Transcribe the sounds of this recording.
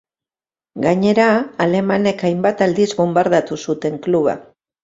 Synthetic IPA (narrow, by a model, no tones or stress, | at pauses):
ɡaɲe̞ɾaːle̞mane̞kajmbat̪ald̪izβombaɾðat̪usut̪e̞ŋkluβa̰